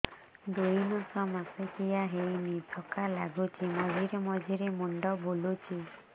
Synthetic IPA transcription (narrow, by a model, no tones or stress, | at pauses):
d̪ujnɔsɔmasɔkijaɦejnitʰɔkalaɡut͡ʃʰimɔd͡ʒʱiɾemɔd͡ʒʱiɾemɔɳɖɔbulut͡ʃʰi